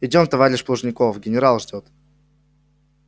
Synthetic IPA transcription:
ɪdʲomt̪ɐvaɾʲɪʃplˠəʐnʲɪkofɡʲɪnʲɪɾalˠʐdʲot̪

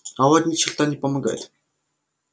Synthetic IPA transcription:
awaːt̪niʃaɮt̪aːniːpɔmə̆kbæ̰ːt̪

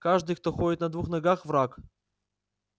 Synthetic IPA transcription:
kaʐd̪ɨjk̚t̪oxoɪt̪nɐd̪vuxnɐɡaxvɾak

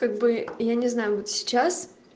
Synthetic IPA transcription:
kaɡ̚bɨjanʲɪznajʊvot̪sʲɪ̥t͡ɕas

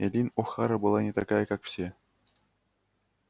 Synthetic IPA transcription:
elʲinʲoxɑɾɤ̆bɤlˠɑnʲet̪ɑɡɑjkɑkfɕe

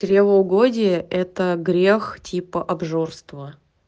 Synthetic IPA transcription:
ɾʲevəʊɡodʲɪjəʔɛt̪əɡɾʲextʲʰipəʔɐbʐo̞rst̪və

